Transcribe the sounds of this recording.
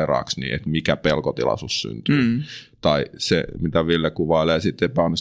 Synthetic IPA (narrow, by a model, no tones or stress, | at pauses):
rɑ̰ːksnḭːḛt̪mikæpelkot̪ḭlɑ̰sussy̰nt̪yːt̪ɑisḛmit̪æʋilːekuʋɑˑileːsit̪ːeipɑnːus